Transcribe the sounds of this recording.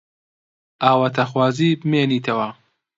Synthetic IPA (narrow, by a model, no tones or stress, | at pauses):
ʔaːwɐt̪ʰɐxwaːziːbɨmeːniːt̪ʰɐwɐ